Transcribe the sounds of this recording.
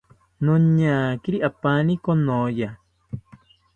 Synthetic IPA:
nõɲãkiɾiʔapanĩkonõja

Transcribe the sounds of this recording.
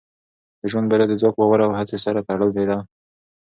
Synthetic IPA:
d̪̥əʒwand̪balad̪əd͡zwakowawaɾaawhat͡sesaɾat̪aɽəld̪ed̪a

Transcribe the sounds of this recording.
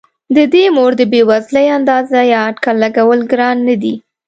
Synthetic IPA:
d̪əd̪emoɾd̪əbewazləjand̪ɑzajɑaɖkalːaɡawəlɡɾɑnːad̪i

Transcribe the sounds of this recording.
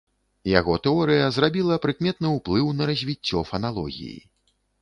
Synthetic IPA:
ja̰ɣɔt̪ɛɔɾɨjɐzrabʲilˠɐpɾɨkmʲɛt̪nɨwplˠɨwnɐɾɐzʲvʲit͡sʲːɔfɐnalˠɔ̰ɣʲḭjḭ

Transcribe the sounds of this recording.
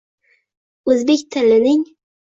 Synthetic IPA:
ɵzbekʲt̪ʰɪlːɪnɪŋ

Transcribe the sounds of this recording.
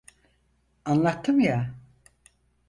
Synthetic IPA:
anlˠat̪ːɯmja

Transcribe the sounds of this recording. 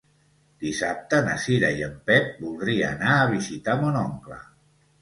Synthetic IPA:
d̪̥isap̚t̪ənəsiɾajəmpɛt̚bulˠd̪ɾiaːnaːβ̞izit̪amonɔŋklə̰

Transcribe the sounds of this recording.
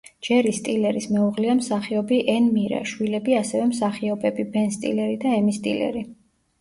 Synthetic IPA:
d͡ʒ̥ɛɾist̪ʼilɛɾismɛuʁliamsaχiɔbiʔɛnmiɾa̰ʃwilɛbiasɛvɛmsaχiɔbɛbibɛnst̪ʼḭlɛɾid̪aɛmist̪ʼḭlɛ̰ɾi

